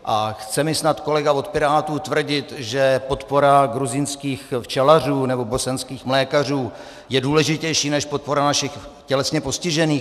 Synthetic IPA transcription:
ʔaxt͡sɛmɪsnat̪ko̞lɛɡavo̞t̪pɪɾaːt̪uːt̪vr̩ɟɪt̪ʒɛpo̞t̪po̞ɾaɡɾuzɪnskiːxft͡ʃɛlar̝uːnɛbo̞bo̞sɛnskiːxmlɛːkar̝uː | jɛduːlɛʒɪcɛjʃiːnɛʃpot̪̚po̞ɾanaʃɪxcɛlɛsɲɛpo̞scɪʒɛniː

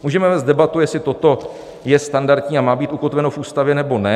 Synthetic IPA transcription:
muːʒɛmɛvɛːst̪dɛbat̪ujɛslɪt̪o̞t̪o̞ | jɛst̪andaɾt̪ɲiːamaːbiːt̪uko̞t̪vɛno̞fʔuːst̪avjɛnɛbo̞nɛ

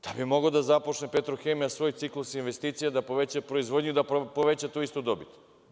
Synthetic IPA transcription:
d̪̥abimo̞ɡaod̪azapo̞t͡ʃnepet̪ɾoxemijasʋo̞ːjt̪siklˠusinʋe̞st̪iːt̪sijad̪apoʋet͡ɕapɾoizʋo̞d̪ɲud̪apoʋet͡ɕat̪oist̪od̪o̞bit̪

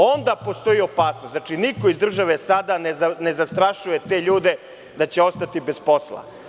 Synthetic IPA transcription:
o̞nd̪apo̞st̪o̞io̞paːsnost̪nat͡ʃiniko̞izd̪r̩ʒaʋesad̪aneanezast̪ɾaʃuje̞t̪e̞ʎuːd̪e | d̪at͡ɕe̞o̞st̪at̪ibespo̞sla̰

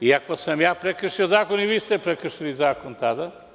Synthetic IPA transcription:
iakɐsɐ̃mjapɾɐkɐʃezakõniviʃt̪ɐpɾɐkɐʃulizaɾkõnt̪aðɐ

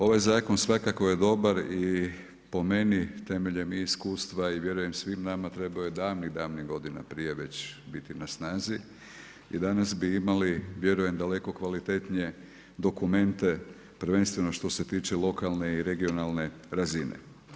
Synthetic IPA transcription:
o̞ʋajzaːko̞nsʋakako̞je̞d̪o̞baɾi | po̞me̞nit̪e̞me̞ʎe̞miiskuːst̪ʋaiʋje̞ɾuje̞msʋimnamat̪ɾe̞baojed̪aːʋnid̪aːʋniɣɡo̞d̪ina̰pɾije̞ʋe̞t͡ɕbit̪inasnaːzi | ḭd̪anasbiimaliʋje̞ɾuje̞md̪ale̞ko̞kʋalit̪e̞t̪nije̞ | d̪o̞kume̞nt̪e̞ | pɾʋe̞nst̪ʋeno̞ʃt̪o̞se̞t̪iːt͡ʃelˠo̞kalˠne̞iɾe̞ɡio̞nalˠne̞ | ɾazinḛ

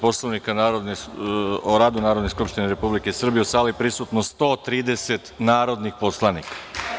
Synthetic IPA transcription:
po̞sloʋnikanaːɾod̪ne | oɾaːd̪unaːɾod̪neskupʃt̪ine̞ɾe̞publikesr̩bije̞usaːlipɾisut̪nost̪o̞ːt̪ɾiːd̪e̞se̞t̪naːɾo̞d̪nixpo̞slˠaniːkḁ

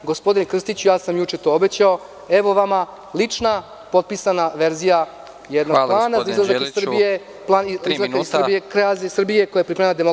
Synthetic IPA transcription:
ɡo̞spo̞d̪inekr̩st̪it͡ɕujaːsamjut͡ʂe̞t̪oobe̞t͡ɕao̞ | eʋo̞ʋama | lit͡ʂna | po̞t̪̚pisanaʋeɾzija | jed̪noɡɡplaːnazaizlˠazakeisr̩bije | plˠaːniizlakaibijekɾazsr̩bijekojaepɾipɾemlad̪emo

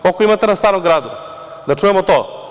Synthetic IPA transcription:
kolˠkoimat̪enast̪aːɾomɡɾaːd̪ṵ | d̪at͡ʂujemot̪o̰

